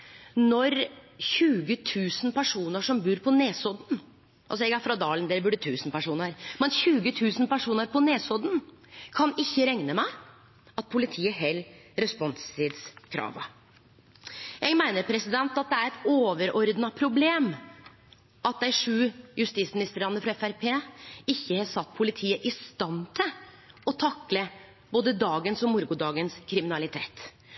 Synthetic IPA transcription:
nɔɾçʉːɡət̪ʰʉːsn̩pæʂuːnəʂɔmbʉːɾpʰɔneːsɔd̪n̩ | ʔɑls̬ɔɛɡæfɾɑd̪ɑːlənd̪ɛːɾəbʉɖət̪ʰʉːsn̩pæʂuːnəɾmɛnçʉːɡət̪ʰʉːsn̩pæʂuːnəɾpɔneːsɔd̪n̩kʰɑnɪçːəɾɛŋnəmæɪ | ɑt̪̚pʰʊlɪt̪ʰiːəɦɛlːɾɛspɔnst̪ɪd̪skʰɾɑ̰ːʋə̰ | jæɪmæɪnəɾpʰɾɛsɪd̪ɛnt̪ɑt̪̚d̪ɛæɾɛt̪oːʋəɾɔɾd̪nɑpʰɾʊbleːm | ʔɑt̪̚d̪æɪʂʉːjʉst̪iːsmɪnɪst̪əɾɑnːəfɾɑɛfæɾpʰeːɪçːəhɑsɑt̪ːpʰʊlɪt̪ʰiːəʔɪst̪ɑnt̪ʰɪl | ɔt̪ʰɑkːlə | boːd̪əd̪ɑːɡənsɔmʊɾɡʊd̪ɑːɡənskʰɾɪmɪnɑlɪt̪ʰeːt̪

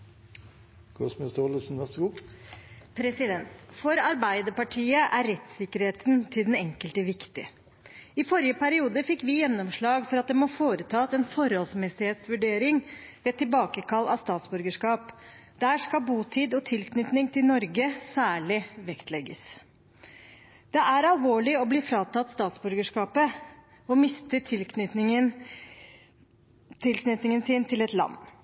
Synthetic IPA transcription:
ɡ̥ʰɔsmɪst̪oləsn̩ʋæɾsɡuː | pʰɾɛsɪd̪ɛnt̪fɔɾɑɾbæɪd̪əpɑʈʰiːəʔæɾɾɛt̪sɪkːəɾheːt̪nt̪ʰɪld̪ɛnɛŋkəlt̪əʋɪkt̪ɪ | ɪfɔɾɪəpʰæɾɪuːd̪əfɪkːʋɪjɛnːɔmʂɭɑːɡfɔɾɑt̪̚d̪ɛmɔfoːɾət̪ʰɑːsɛːnfɔɾhɔlsmɛsɪheːt̪sʋʉɖeːɾɪŋʋeːɛt̪ʰːɪlbɑːkəkʰɑlːɑ̰st̪ɑːt̪sbʉɾɡəʂkɑːpd̪æːʂkɑbuːt̪ʰiːd̪ɔt̪ʰɪlknʏt̪nɪŋt̪ʰɪlnɔɾɡəsæːɭɪʋɛkt̪ʰlɛɡːəs | d̪̥ɛʔæɾɑlʋoːɭɪɔbliːfɾɑːt̪ɑt̪ːst̪ɑːt̪sbʉɾɡəʂkɑːpə | ɔmɪst̪ət̪ʰɪlknʏ | t̪ʰɪlknʏt̪nɪŋənsɪːnt̪ʰɪlɛt̪lɑ̰nː

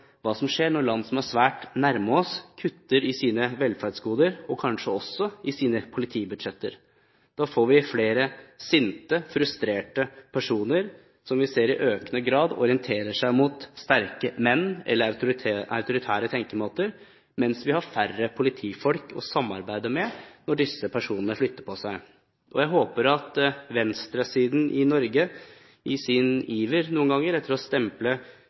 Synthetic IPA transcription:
ʋɑːsɔmʂeːɳɔɾɭɑnd̪sɔmæʂʋæːʈnæɾməɔskʰʉt̪ːəɾɪsiːnəʋɛlfæɾɖ̪sɡuːd̪əɾɔkʰɑnʂəɔsːɔɪsiːnəpʰʊlɪt̪ʰiːbʉd̪ɛt̪ːəɾ | d̪̥ɑːfoːɾʋɪfleːɾəsʏnt̪əfɾʉst̪ɾeːʈəpʰæʂuːnəɾ | sɔmʋɪseːɾɪʔøːknəɡɾɑːd̪ɔ̰ɾɪənt̪ʰeːɾəʂæɪmʊt̪st̪æɾkəmɛnːɛ̰lːəʊɾʰʔɑ̰ʉt̪ʊɾɪt̪ʰæːɾət̪ʰɛŋkəmoːt̪əɾ | mɛnsʋɪhɑɾfærəpʰʊlɪt̪ʰiːfɔlkʰɔ̰sɑmːɑ̰ɾbæɪd̪əmɛnɔɖɪsːəpʰæʂuːnənəflʏt̪ːəpʰɔsæɪ | ʔɔjæɪɦoːpəɾɑt̪ʋɛnst̪ɾɑsiːd̪n̩ʔɪnɔɾɡə | ɪsɪniːʋəɾnuːnɡɑŋːəɾɛt̪ːəɾɔst̪ɛmplə

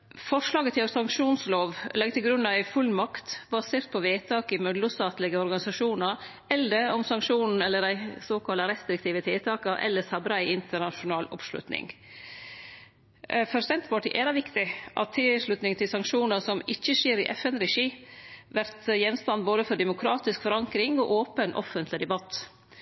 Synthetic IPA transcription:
fɔʂlɑːɡət̪ʰɪlsɑŋkʂuːnsloːʋlɛɡ̚t̪ʰɪlɡɾʉnːɑʋæɪfʉlːmɑkt̪bɑseːɾt̪̚pʰɔʋeːt̪ʰɑːkɪmœd̪lʊst̪ɑːt̪lɪɡəɔɾɡɑnɪsɑʂuːnəɾ | ɛld̪əɔmsɑŋkʂuːnn̩ɛlːədæɪsoːkʰɑləɾɛst̪ɾɪk̚t̪ʰiːʋət̪ʰɪlt̪ʰɑːkəʔɛ̰lːəsɑbɾɑæɪʔɪnt̪ʰəɳɑʂʊnɑːlʊ̰pʂlʉ̰t̪nɪ̰ŋ | fɔɾsɛnt̪bɑːʈɪʔɛd̪ɑʋɪkt̪ɪʔɑ̰t̪ʰːɪʂlʉt̪nɪŋt̪ʰɪlsɑŋkʂuːnəɾsɔmɪçːəʃeːɾɪʔɛfɛnɾɛʂiːʋæɾt̪jɛnst̪ɑnboːd̪əfɔɾd̪ɛmʊkʰɾɑːt̪ɪskfɔɾɑŋkɾɪŋɔʔoːpənʔɔ̰fənt̪ʰlɪd̪ɛbɑt̪

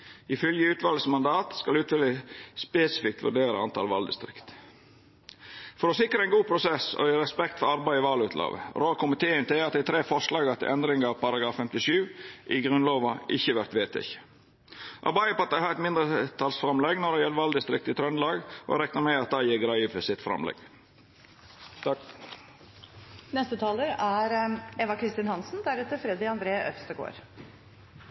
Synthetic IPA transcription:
ɪfœljəʉːt̪ʋɑlsmɑnd̪ɑːt̪skɑlʉːt̪ʰʋɪləspeːsəfɪk̚t̪ʋʉ̰ɖeːɾə̰ɑnt̪ʰɑ̰ːlʋɑ̰ld̪ɪ̰st̪ɾɪ̰kt̪ | fɔɾɔsɪkɾəɛɪnɡuːpʰɾʊsɛsɔ̰iɾɛspɛkt̪fɔɾɑɾbæɪɔʋɑːlʉːt̪ʰlʔɑ̰ːʋə̰ɾoːkʊmɪt̪ʰeːənt̪ʰɪlɑt̪d̪æɪt̪ʰɾeːfɔɾʂlɑːɡɑt̪ʰɪ̰ʔɛnd̪ɾɪŋɑɑpɑɾɑɡɾɑːfːɛmt̪ɪʃʉːʔɪɡɾʉnloːʋɑʔɪçəʋæɾt̪ʋeːt̪ʰɪ̰ç | ʔɑ̰bɑɪəpɔɑt̪̚d̪æɪhɑːɾɛt̪mɪnd̪ɾət̪ʰɑlsfɾɑmlɛɡnɔɖ̪ɛjɛləʋɑld̪ɪst̪ɾɪk̚t̪ɪt̪ʰɾœnlɑːɡʔɔ̰ɾɛknəɾmɛɑt̪̚d̪æɪjiːɡɾɑifəsɪt̪fɾɑ̰mlɛ̰ɡ̥ | nɛst̪ət̪ʰɑːləɾæɾɛʋɑkʰɾɪst̪ɪnhɑnsn̩d̪æɾʉːt̪əfɾɛd̪ɪɑnd̪ɾeːʔœfst̪əɡo̰ːɾ

